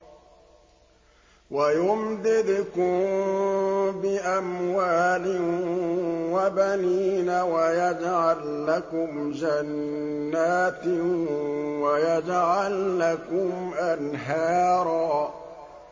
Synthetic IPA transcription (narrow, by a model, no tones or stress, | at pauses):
wajʊmd̪ɪd̪kʊm | bɪʔamwaːlɪ | wabaniːnawajad͡ʒʕalːakʊmd͡ʒanːaːt̪ | wajad͡ʒʕalːakʊmʔanɦaːɾˤɑː